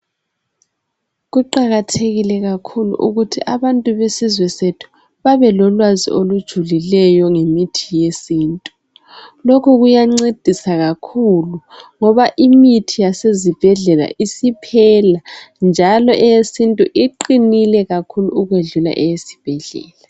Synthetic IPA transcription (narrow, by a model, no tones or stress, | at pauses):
ɣuǃaɣatʰeɣilɛɣakʰulṵʔṵɣutʰiʔaβantʼuβesizwɛsetʰu̥ | βaβɛlɔlwazḭʔolud̥ʒ̥ʱulilɛjɔŋemitʰijesiːntʼu | lokʰuɣujaŋ͡ǀed̥ʱisaɣakʰuluŋɔβaʔimitʰijasezib̥ʱɛɮɛla̰ʔisipʰɛland͡ʒʱalɔʔɛjesintʼuʔiǃinilɛɣakʰuluuɣweɮula̰ʔɛjesi̥b̥ʱɛɮɛ̰ːla